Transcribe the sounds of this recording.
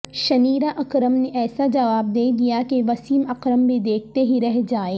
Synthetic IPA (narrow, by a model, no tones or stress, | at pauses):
ʃɐniːɾaʔɐkɾəmneʔɛːsad͡ʒɐʋaːb̚d̪eːd̪ijakeʋɐsiːmɐqɾəmbʱid̪eːk̚ʰt̪eɦiɾɛɦd͡ʒaːeː